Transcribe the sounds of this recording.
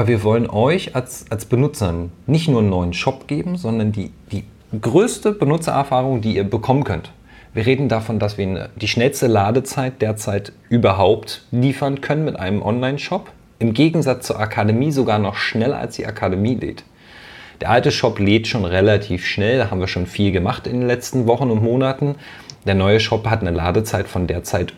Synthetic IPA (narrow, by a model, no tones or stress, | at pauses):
ʔabɐviːɐvɔlənʔɔʏçalsʔalsb̥ənʊt͡sɐnnɪçtnuːɐnːɔʏənʃɔpɡ̥eːbm̩zɔndɐndiːd̥iː | ɡʁøːstəbənʊt͡sɐ̰ʔɛɐfaːʁʊŋdiːiːɐbəkʰɔmənkʰœnt | v̥iːɐʁ̞eːdn̩dafɔndasv̥iːɐə̰d̥iːʃnɛlstəlaːdət͡saɪt̚d̥eːɐt͡saɪtʔyːbɐɦaʊptliːfɐnkʰœnənmɪtʔa̰ɪnəmʔɔnlaɪnʃɔp | ʔɪmɡeːɡŋ̩zat͡st͡suːɐʔakʰademiːzoɡaːɐnɔχʃnɛlɐ̰ʔa̰lsd̥ḭːʔa̰kʰademiːlḛːt | d̥eːɐʔaltəʃɔpleːtʃoːnʁelatʰiːfʃnɛldaːhaːbm̩viːɐʃoːnfiːlɡəmaχtɪ̰ndeːnlɛt͡stn̩vɔχn̩ʊntmoːnatn̩ | d̥eːɐnɔʏəʃɔphatnəla̰ːdət͡saɪtfɔndeːɐt͡saɪt